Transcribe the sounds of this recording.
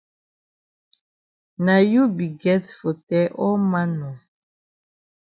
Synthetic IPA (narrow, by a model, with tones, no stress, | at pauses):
na˨ju˦bi˨ɡɛ˦tfo˨tɛ˦ʔɔ˦ma˦nɔ˨